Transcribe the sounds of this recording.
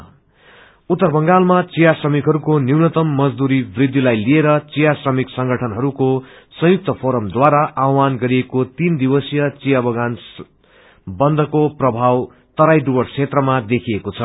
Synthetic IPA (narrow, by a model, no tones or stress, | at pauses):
ut̪ːʌrbʱʌŋɡalmat͡sijasrʌmikɦʌɾukoniwnʌt̪ʌmːʌd͡zd̪uɾibrid̪ʱːilajlieɾʌt͡sijasrʌmiksʌŋɡʱʌʈʰʌnɦʌɾuko | sʌ̃juk̚t̪ʌpʰoɾʌmd̪waɾaʔawanɡʌɾiekot̪ind̪iwʌsijʌt͡sijabʱʌɡans | bʌnd̪ʱʌkoprʌbʱaw | t̪ʌɾajɖuwʌɽt͡sʰet̪rʌmad̪ekʰiekot͡sʰʌ